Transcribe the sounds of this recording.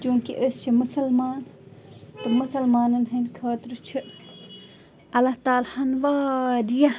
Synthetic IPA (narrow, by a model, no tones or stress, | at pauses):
d͡ʒũːkḭʔəst͡ʃʰimʊsɐlmaːn | t̪ɨmusɐlmaːnɐnɦɐnkʰaːt̪ɾut͡ʃʰɨ | ɐlːɐht̪aːlhɐnʋaːɾija